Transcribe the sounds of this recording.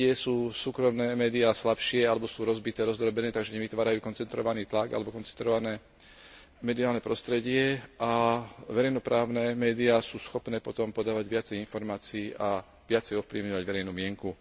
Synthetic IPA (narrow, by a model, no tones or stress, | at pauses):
ɪɛsuːsuːkɾɔmnɛːmɛːd̪iaːslapʃɪɛalɛbɔsuːɾɔzbit̪ɛːɾɔzd̪ɾɔbɛnɛːt̪aɡʒɛɲɛʋit̪ʋaːɾajuːkɔnt͡sɛnt̪ɾɔ̰ʋaniːt̪laɡa̰lɛbɔkɔnt͡sɛnt̪ɾɔʋanɛː | mɛd̪iaːlnɛpɾɔst̪ɾɛɟɪɛʔaʋɛɾɛjnɔpɾaːʊnɛːmɛːd̪iaːsuːsxɔpnɛːpɔt̪ɔmpɔd̪aːʋaɟʋɪat͡sɛjinfɔɾmaːt͡siiːʔa | ʋɪat͡sɛjɔfpliːʋɲɔʋaɟʋɛɾɛjnuːmɪɛŋku